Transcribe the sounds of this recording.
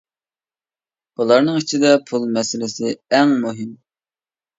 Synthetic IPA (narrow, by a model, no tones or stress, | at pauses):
bulˠɑɾnɨŋit͡ʃʰid̪ɛpʰulˠmɛsɪlɪsɪɛŋmuɦɪm